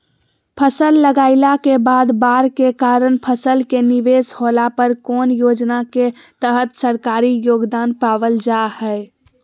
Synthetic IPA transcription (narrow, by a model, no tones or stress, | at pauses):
pʰəsəlːəɡaɪlakebaːd̪baɾkekaɾənpʰəsəlkeniʋesholapəɾkoːnjoːd͡ʒnake | t̪əɦət̪səɾkaɾijoːɡd̪anpaʋəld͡ʒahəɪ